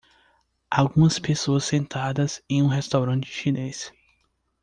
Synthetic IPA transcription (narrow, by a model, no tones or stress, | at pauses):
awɡũmɐspesoɐsːẽnt̪ad̪ɐzẽj̃ũɦest̪awɾɐ̃t͡ʃɪɪʃĩnes